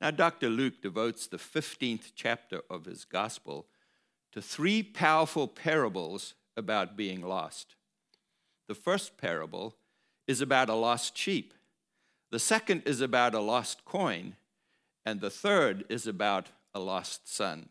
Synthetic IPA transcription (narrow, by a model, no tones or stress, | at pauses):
naʊdɑk̚tə˞lʉk̚d̥ɨvoʊtsðɨfɪftĩnθt͡ʃʰæp̚tə̰˞ʔʌv̥ɨ̰zɡɑspl̩ˠ | tʰɨθɹipʰaʊə˞fl̩ˠpʰɛɹəbl̩ˠz | ɨbaʊt̚b̥iɪ̃ŋlɔ̰st | ðɨfɜ˞spʰɛ̰ɹə̰bl̩ˠ | ɨzɨbaʊɾəlɔstʃip | ðɨsɛkɨ̃ndɨzɨbaʊɾəlɔskʰɔ̃ɪ̃n | ɨ̃nðɨθɜ˞ɾɪzɨbaʊɾ | əlɔstsʌ̰̃n